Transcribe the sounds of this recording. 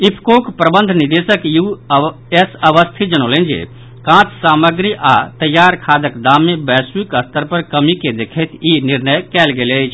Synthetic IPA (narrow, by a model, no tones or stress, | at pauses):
ipʰkoːkpɾəbə̃nd̪ʱnid̪esəkju | esəʋəst̪ʰid͡ʒənoːlẽnd͡ʒḛ | kãːt̪saːməɡɾiʔat̪əjːaːɾkʰaːd̪əkd̪aːmːẽbɛːsikəst̪əɾpəɾkəmiked̪ekʰɛt̪iniɾnəjkɛːlɡelet͡ʃʰ